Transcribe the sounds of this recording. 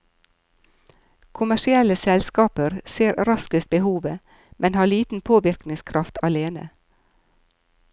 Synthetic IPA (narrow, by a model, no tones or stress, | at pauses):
kʰʊmæʃɪɛləsɛlskɑːpəɾseːɾɾɑskəst̪̚bəhuːʋə | mʔɛnhɑːɭiːt̪n̩pʰoːʋɪɾknɪŋskʰɾʔɑft̪ʰɑleːnə̰